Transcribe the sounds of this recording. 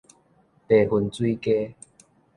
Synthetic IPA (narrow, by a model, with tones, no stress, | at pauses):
t̪e˨hu˧˩nt͡swi˦ke˦